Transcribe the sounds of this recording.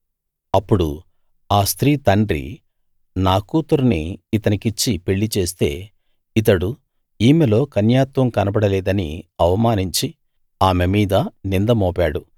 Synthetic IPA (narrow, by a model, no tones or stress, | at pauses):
ɐpːuɽṵ | aːst̪ɾiːt̪ɐɳɖɾḭ | naːkuːt̪uɾuniːt̪ɐnikit͡ʃːipe̞ɭːit͡ʃe̞ːst̪e̞̰ː | it̪ɐɽu | iːmelo̞ːkɐnjaːt̪ʋɐmkɐnɐbɐɽɐlɛːd̪ɐnḭɐʋɐmaːniɲt͡ʃi | aːmemiːd̪ɐnind̪ɐmɔːpaːɽu